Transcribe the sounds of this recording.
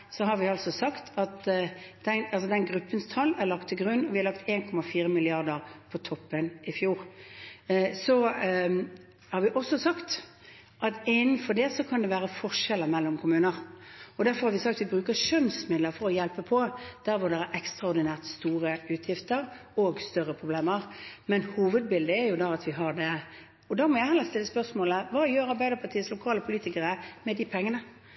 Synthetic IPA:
sɔɦɑɾʋɪɑlsɔsɑkt̪ʰɑt̪d̪̥ɛnɑlsɔd̪ɛnɡɾʉpːənst̪ʰɑlːæɾlɑk̚t̪ʰːɪɡɾʉnːɔʋɪhɑɾlɑk̚t̪ʰeːnkʰɔmːɑfiːɾəmɪlɪɑʁd̪əɾpʰɔt̪ʰɔpːənɪfjuːɾ | sɔ | hɑɾʋɪʔɔsːɔsɑkt̪ | ʔɑt̪ɪnːn̩fɔɾd̪ɛsɔkʰɑnd̪ɛʋæːʁəfɔʂɛlːəɾmɛlːɔmkʰʊmʉːnəɾɔd̪æɾfɔɾhɑɾʋɪsɑk̚t̪ʋɪbɾʉːkəʂœnsmɪd̪ləɾfɔɾɔjɛlpəpʰɔd̪̥æɾʋʊd̪ɛʁæɾʔɛkst̪ʁɑɔɾd̪ɪnæːʁt̪st̪uːɾəʉːt̪ʰjɪft̪əɾ | ɔɡst̪œɾəpʰɾʊbleːməɾmɛnhuːʋəd̪̚bɪld̪əæɾjʊd̪ɑɑt̪ʋɪɦɑɾd̪ɛ | ɔd̪ɑmɔjæɪhɛlːəʁst̪ɪlːəspœsmoːləʋɑːjøːɾɑɾbæɪd̪əpʰɑt̪ʰiːəslʊkʰɑːləpʰʊliːt̪ɪkəɾəmɛd̪ɪpʰɛŋːənə

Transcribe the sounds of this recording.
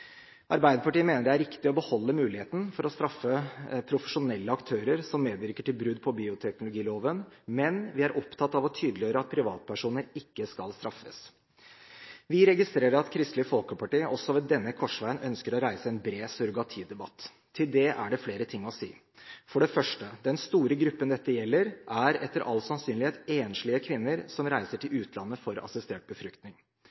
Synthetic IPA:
ʔɑɾbæɪd̪əpɑʈiːəmeːnəɖɛæɾɪkt̪ɪɔbəhɔlːəmʉːlɪheːt̪n̩fɔɾɔst̪ɾɑfːəpʰɾʊfəʂʊnɛlːəɑkt̪ʰøːɾəɾsɔmːeːd̪ʋɪɾkəʈɪlbɾʉd̪pʰɔbiːʊt̪ʰɛknʊlʊɡiːloːʋənmɛnʋɪæɾʔɔpt̪ʰɑt̪ːɑʋɔt̪ʰyːd̪lɪøːɾəɑt̪̚pʰɾɪʋɑ̰ːt̪̚pʰæʂuːnəɾɪkːəskɑ̰lst̪ɾɑfːə̰s | ʋɪɾɛɡɪst̪ɾeːɾəɾɑt̪kʰɾɪst̪ləfɔlkəpɑʈiːəʔɔsːɔʋɛd̪ɛnːəkʰɔʂʋæɪənʔœnskəɾɔɾæɪsəɛnbɾeːsʉɾɡɑt̪ʰiːd̪ɛbɑt̪ʰː | ɪld̪ɛʔæ̰ɖɛfleːɾət̪ʰɪŋːɔsḭː | fɔɖɛfœʂʈəd̪ɛnst̪uːɾəɡɾʉpːənd̪ɛt̪ːəjɛlːəɾʔæɾɛt̪ːəɾʔɑ̰lsɑnsyːnlɪheːt̪eːnʂɭɪəkʰʋɪnːəɾsɔmɾæɪsəʈʰɪlʉːt̪ʰlɑnːəfɔɾɑ̰sɪst̪eːʈ̚bəfɾʏkt̪nɪŋ

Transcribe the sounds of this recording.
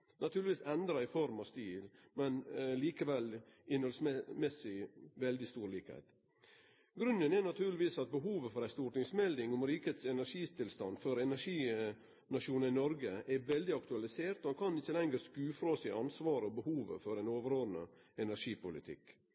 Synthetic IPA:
nʔɑt̪ʰʉːɾlɪʋiːsɛnd̪ɾɑɪfɔɾmɑʋst̪iːl | mɛnliːkəʋɛlɪnhɔlsmɛsɪʋɛld̪ɪst̪uːɾliːkəhɛ̰ɪt̪ | ɡɾʉnːənɛnɑt̪ʰʉːɾlɪʋiːsɑt̪̚bəɦuːʋəfɔɾæɪst̪uːʈnɪŋsmɛld̪ɪŋʊmɾiːkəheːt̪sɛnæʂiːt̪ʰɪlst̪ɑ̰nfɔɾɛnæʂiː | nɑʂuːnəɾɪnɔɾɡəʔɛʋɛld̪ɪɑkt̪ʉɑlɪseːɾt̪ɔhɑnkʰɑnɪçːəlɛŋɡəɾskʉːfɾoːsɪʔɑnsʋɑːɾəɔbəhuːʋə̰fɔɾæɪnoːʋəɾoːnə̰ɛnæʂiːpʊlɪ̰t̪ʰɪ̰k

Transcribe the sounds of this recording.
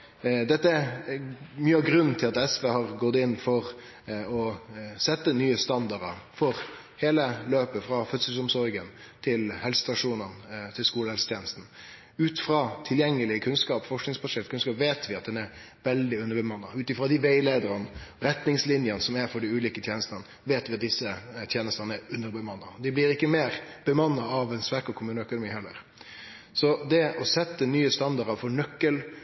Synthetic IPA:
d̪ɛt̪ːə | myːəɡɾʉnːt̪ʰɪlɑt̪ɛsʋeːhɑʁɡɔt̪ːɪnːfɔɾ | ɔsɛt̪ːənyːəst̪ɑnd̪ɑɾəfɔɾ | heːləløːpəfɾɑfœt̪səsɔmsɔɾɡən | t̪ʰɪlhɛlsə̥st̪ɑʂuːnənt̪ʰɪlskuːləhɛlsə̥t̪jeːnəst̪n̩ | ʉːt̪fɾɑt̪ʰɪljɛŋːəlɪəkʰʉnskɑːpfɔʂknɪŋspʰɑʂɛlkʰʉnskɑːpʋeːt̪ʰʋɪɑt̪̚d̪ɛnæɾ | ʋɛld̪ɪʉnːəɾbəmɑnːɑʉːt̪ɪfɾɑd̪ɪʋæɪleːd̪əɾənɾɛt̪nɪŋslɪnjənəsɔmæɾfɔɖɪʉːliːkət̪ʰjeːnəst̪ɑn | ʋeːt̪ʋɪɑt̪̚d̪ɪsːət̪ʰjeːnəst̪ɑnəæɾʉnːəɾbəmɑnːɑd̪ɪblɪɾɪkːəmeːɾb̥əmɑnːɑɑʋɛnsʋæɾkɔkʰʊmʉːnəœkʊnʊmiːhɛlːəɾ | sɔd̪ɛɔsɛt̪ːənyːəst̪ɑnd̪ɑɾəfɔɾɳœkːəl

